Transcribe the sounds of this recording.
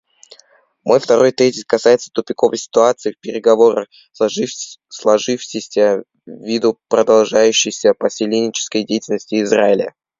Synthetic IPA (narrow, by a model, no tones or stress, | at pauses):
mʔo̞jft̪ɐɾo̞jt̪ʲezʲɪskɐsajɪt̪sə̥t̪ʊpʲɪko̞vəjsʲɪ̥t̪ʊat̪sɨɪfpʲɪɾʲɪɡɐvo̞ɾə̰ | slˠɐʐɨfɕɪsʲə | vʲid̪ʊpɾəd̪ɐlˠʐajʉɕːɪjsʲəpəsʲɪlʲenʲɪt͡ɕɪ̥skəjdʲejtʲɪlʲnəsʲtʲɪːzraɪlʲə̰